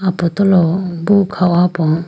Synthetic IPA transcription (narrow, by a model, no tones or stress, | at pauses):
apɔt̪ɔlɔbukʰawapɔŋ